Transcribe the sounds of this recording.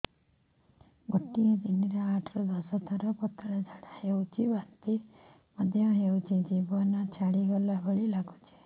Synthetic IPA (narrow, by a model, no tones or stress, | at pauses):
ɡoʈːijed̪iniɾaaʈʰɾɔd̪ɔsɔt̪ʰɔɾɔpɔt̪ːɭed͡ʒʱaɽaɦewt͡ʃiʋant̪i | məd̪ʱjɔɦewt͡ʃid͡ʒibɔnat͡ʃʰaɽiɡɔlabʱəɭilaɡut͡ʃʰe̥